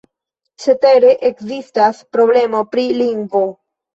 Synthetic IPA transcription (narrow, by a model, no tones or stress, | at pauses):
t͡ʃet̪eɾeʔeksist̪aspɾoβlemopɾiliŋɡo